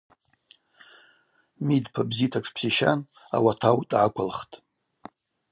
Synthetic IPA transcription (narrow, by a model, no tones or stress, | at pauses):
midpʰabzitʰakʷspʰsiʃa̰n | a̰watʰawtʼʕakʷʰalχtʼ